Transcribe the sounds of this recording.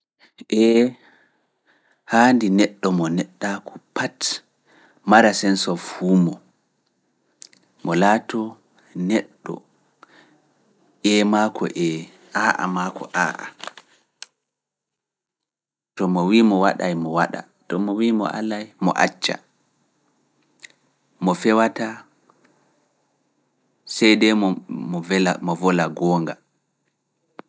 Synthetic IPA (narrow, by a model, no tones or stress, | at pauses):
ʔɛ | handinɛɗːɔmɔnɛɗːakʰɔpʰat | maɾasɛnsɔfuːmɔ | mɔlaːtɔ | nɛɗːɔ̰ | ɛmakʰɔ̰ʔɛ | ʔaːʔa̰makʰɔ̰ʔaːʔa̰ | tɔmɔwimɔwaɗajmɔwaɗa̰ | tɔmɔwimɔ̰ʔa̰lajmɔ̰ʔa̰t͡ʃːa̰ | mɔfɛwata | sɛjdɛmɔmɔɛamɔvɔlaɡɔːŋɡa